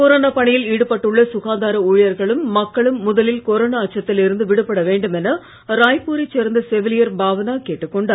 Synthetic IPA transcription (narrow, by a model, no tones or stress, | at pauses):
koːɾoːnaːpɐɳɪjɪliːɽɯpɐʈːɯɭːɐsʊɣaːnd̪aːɾɐuːɻjɐɾɣɐɭɯmːɐkːɐɭɯmːʊðɐlɪlkoːɾoːnaːʈ̚t͡ʃːɐt̪ːɪlɪɾɯnd̪ɯʋɪɽɯpːɐɽɐʋeːɳɖɯmɛnɐ | ɾaːjpːuːɾɛt͡ʃːɛɾɐnd̪ɐsɛʋɪlɪjɐɾbaːʋɐnaːkeːʈːɯkːɔɳɖaː